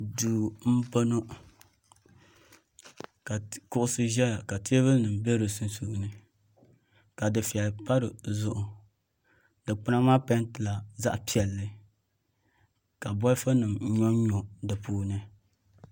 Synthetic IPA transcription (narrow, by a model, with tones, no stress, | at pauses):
duː˨m̩˦po˦no˦ | ka˨kʊ˦ʔʊ˦sɨ˦ʒɛ˦a˨ka˨ti˦e˦βɨ˦lnɨ˨m˨be˦ɾo˨su˦nsu˨nɨ˦ | ka˨dɨ˨fi˨ɛ˨lpa˦ɾɨ˨zʊ˦ʔʊ˨ | dɨ˨k͡pɨ˦na˦maː˦pa˦n˦tɨ˨la˨za̰˦ʔpi˦ɛ˨lːɨ˦ | ka˨bɔ˦fa˦nɨ˨m˦ɲɔ˦ɲɔ˨dɨ˨puː˦nɨ˦